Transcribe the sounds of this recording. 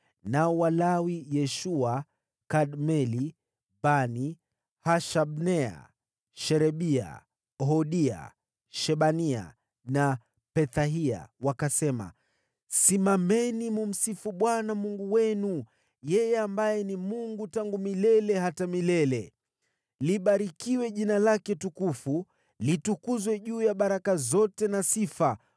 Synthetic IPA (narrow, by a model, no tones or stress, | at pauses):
naɔwalawijɛʃua | kaɗmɛli | bani | haʃaɓnɛa̰ | ʃɛɾɛɓia̰ | ɦɔɗia̰ | ʃɛɓania̰ | na | pɛθaɦia̰wakasɛma̰ | simamɛnimum̩sifuɓwanamuŋɡuwɛnu | jɛjɛambajɛnimuŋɡutaŋɡumilɛlɛɦatamilɛlɛ | liɓaɾikiwɛʄinalakɛtukufu | litukuzwɛʄuːjaɓaɾakazɔtɛnasifa